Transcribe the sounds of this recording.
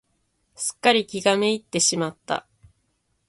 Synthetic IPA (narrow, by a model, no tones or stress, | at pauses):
sɨ̥kːaɾʲikʲiɡame̞it̪ːe̞ɕimat̪ːa̰